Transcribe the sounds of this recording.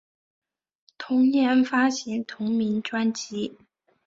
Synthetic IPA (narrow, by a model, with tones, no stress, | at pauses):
t̪ʰʊ˧˥ŋnjɛ˧˥nfa˥ɕi˧˥˩nt̪ʰʊ˧˥ŋmi˧˥nʈ͡ʂwa˥nt͡ɕi˥